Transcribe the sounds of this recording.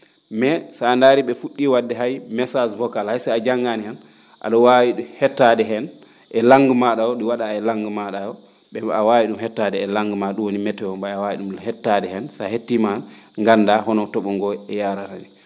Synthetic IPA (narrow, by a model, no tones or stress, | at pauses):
mɛsaːndaɾiɓɛfuɗːiwadːɛɦajmɛsasvɔkalhajsaad͡ʒaŋɡanian | ʔa̰ɗɔwawiɗuhɛtːadɛɦɛn | ʔɛlaŋɡumaɗajɔɗiwaɗaɛlaŋɡmaɗajɔ | ɓɛawawiɗumhɛtːadɛɛlaŋɡmaɗumwonimɛtːɛwɔmbaawawiɗumhɛtːadɛhɛnsahetːimaŋɡandahɔnɔtɔɓɔŋɡɔɛjaɾatanɛ